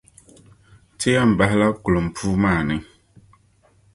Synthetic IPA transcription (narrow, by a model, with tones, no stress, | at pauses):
tʰe˦a˦˨m̩˨ba˦ɦla˦ku˨lo˨m̩˨pʰu˦maː˦˨nɨ˨